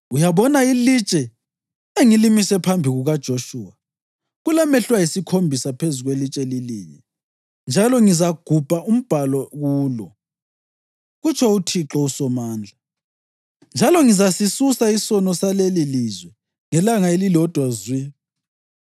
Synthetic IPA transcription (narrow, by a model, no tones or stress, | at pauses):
ujaβɔnailit͡ʃʼɛ | eŋilimisɛpʰambʱiɣuɣad̥ʒ̥ʱoʃuːwa | ɣulamɛɬwajisikʰombʱisapʰezuɣwelit͡ʃʼɛliliːɲɛ | nd͡ʒʱalɔŋizaɡ̥ʱub̥ʱaʔum̩b̥ʱalɔɣuːlɔ | ɣut͡ʃʰɔutʰiǁɔusɔmaːnd͡ɮʱa | nd͡ʒʱalɔŋizasisusaisɔnɔsalelilizwɛ | ŋɛlaŋaelilɔd̥ʱwazwi